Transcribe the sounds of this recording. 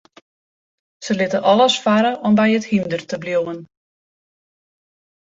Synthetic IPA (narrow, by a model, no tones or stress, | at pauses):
səlɪtəʔɔləsfaɾəʔɔmbɛjəthimdərtəbljowən